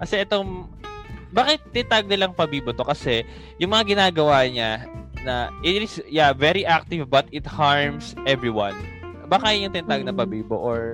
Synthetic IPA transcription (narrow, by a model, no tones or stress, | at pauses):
kɐsɛʔɛt̪oŋ | baːkɪt̪̚ːɪnt̪aɡ̚nɪlɐŋpɐbiːbot̪o̞kɐsɛ | jʊŋmɐŋaɡɪnaːɡɐwaɲanɐʔɪt̪ɪsjavɛɾiʔak̚t̪ɪvbɐt̪ɪt̪haɹmsʔɛvɹiwɐ̰n | baːkajjʊŋt̪ɪnt̪aɡ̚nɐpɐbiːbo̰ʔoɹ